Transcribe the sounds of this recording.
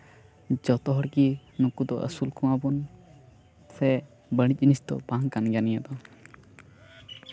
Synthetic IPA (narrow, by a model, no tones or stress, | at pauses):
d͡ʒɔt̪ɔɦɔɽkinɔkud̪ɔʔə̰sulkũwabɔn | sɛ | bəɽ̃ic̚ˀnist̪ɔ̰baŋkanɡanijad̪ɔ